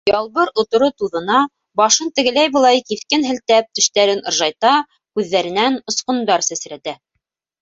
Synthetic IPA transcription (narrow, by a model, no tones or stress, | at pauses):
jɑlˠβɤɾŏt̪ŏɾot̪uðɤ̆nɑ | bɑʃɤnt̪ɘ̆ɡɘ̆læjbɤ̆lˠɑjkiθkɘnɦɘ̆lt̪æp̚t̪ɵ̆ʃt̪æɾɘnŏɾʒɑjt̪ɑ | kʉðːæɾɘ̆nænŏsqŏnd̪ɑɾsæsɾæt̪æ